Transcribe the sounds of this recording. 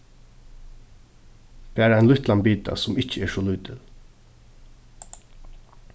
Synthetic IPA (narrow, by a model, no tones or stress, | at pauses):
p̪ʰɛæːɾæɪnlʊht̪lanbiːt̪a̰sʊmɪht͡ʃəɛːɹʂɔluːt̪ʰɪl